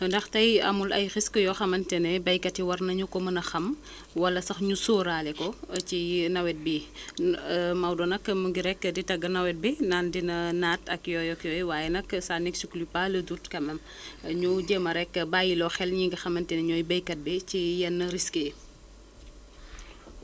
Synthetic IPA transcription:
ndɐxtɐjɐ̰mulɐ̰jɾiskəjɔxɐmɐntɛnɛbɐjkɐtiwɐrnɐɲukɔmɐnɐxɐm | wɐlɐsɐxɲusɔːɾaːlɛkɔcinɐwɛt̚bi | mɐwdɔnɐkmuŋɡiɾɛkːəditɐɡːɐnɐwɛt̚binaːndinɐnaːtɐkjɔːjɔkjɔːjwaːjɛnɐksanɛksuklipaːlɐdutkɐmɛm | ɲuɟəːmɐɾɛkːəbaːjilɔxɛlɲiŋɡɐxɐmɐntɛnɛɲɔːjbɐjkɐt̚bɛcijɛnːɐɾiskə

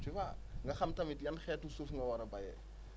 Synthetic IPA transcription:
t͡ʃiwaŋɡɐxɐmtɐmitjɐnxɛːtusufŋɡɐwɐɾɐbɐjɛ̰

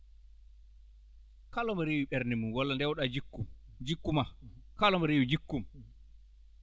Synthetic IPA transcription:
kalɔmaɾeːwiɓɛɾnɛmunwalːandɛwɗad͡ʒikːum | d͡ʒikːumakalɔmaɾewid͡ʒikːum

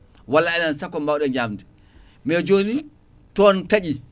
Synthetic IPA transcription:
walːaɛnansakːɔmawɗɛɲamdɛ | mɛd͡ʒoni | tɔntaɗi

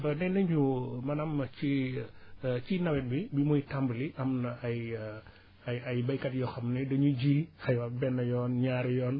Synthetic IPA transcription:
bɐnɛnɐɲumɐnɐmːɐt͡ʃi | t͡ʃinɐwɛn̚bibimujtambliʔɐmnɐʔɐj | ɐjɐjbɐjkɐtjɔxɐmnɛdɐɲuɟixɐjwɐbɛnːɐjɔːnɲaːɾjɔːn

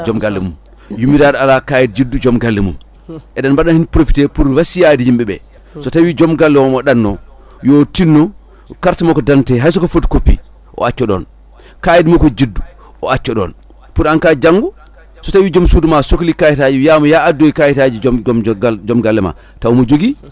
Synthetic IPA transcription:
d͡ʒɔmɡalːɛmum | jumiɾaɗalakajid̚d͡ʒidːud͡ʒɔmɡalːɛmṵm | ʔɛɗanbaɗanhinpɾofi̥tɛpuɾwasijadihimbɛɓɛ̰ | sɔtawid͡ʒɔmɡalːɛmɔmɔɗanːɔ | jotinːɔ | kaɾtimɔkɔdantɛɦajs̬ɔkɔfotkopːḭ | ʔɔ̰at͡ʃːɔɗɔ̰n | kajidmɔkɔd͡ʒidːu | ʔɔ̰at͡ʃːɔɗɔ̰n | puɾankad͡ʒaŋɡu | sɔtawid͡ʒɔmsudumasoklikajitad͡ʒijamɔjaadːoikajitad͡ʒi | d͡ʒɔmɡalːɛma̰ | tawmɔd͡ʒoɡi

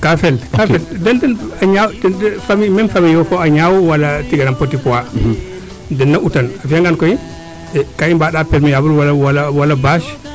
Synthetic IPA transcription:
kafɛlafɛldɛndɛnaɲawdɛdɛfamimɛnfamijɔkɔaɲawɔwalatiɡanampotipɔwa | dɛnːaʔutanafijaŋɡankɔji | ɛkaimbaɗapɛɾmijabulwalwalawalabaʃ

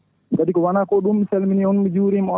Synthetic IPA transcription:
ɡadikɔwanaːkɔɗumːiselminiɔnmid͡ʒuːɾimɔɔ

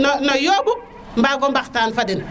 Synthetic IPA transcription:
nnojoːbu | mbaɡombaktaːnfadin

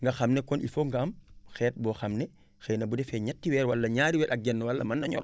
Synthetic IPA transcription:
ŋɡaxamnɛkɔnʔifoŋɡaːmxɛːt̚bɔxɐmnɛ | xɛnɐbudɛfɛɲatːiwɛːɾwalːɐɲaːɾiwɛɗaɡɛnːɔwalːɐmanːɐɲɔ̰ɾ

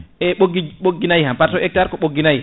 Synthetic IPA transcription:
ʔɛɓoɡiɓoɡːinajhampatɔʔɛk̚taɾkɔɓoɡːinaj

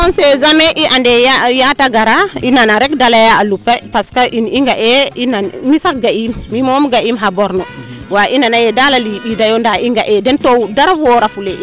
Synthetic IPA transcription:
kɔnsezameʔiʔandeajataɡaɾainanaɾɛkdalajaalupːapaskaʔiniŋɡaʔeinamisakɡaimːimomɡaʔimɦabɔɾnɔwaʔinanajedalaliɓidajondaiŋɡaʔɛdɛntowdaɾawoɾafule

